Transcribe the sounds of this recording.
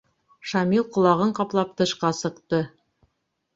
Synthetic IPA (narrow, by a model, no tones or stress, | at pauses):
ʃɑmilˠqŏlˠɑʁɤɴqɑplˠɑp̚t̪ɤ̆ʃqɑsɤ̆qt̪ɤ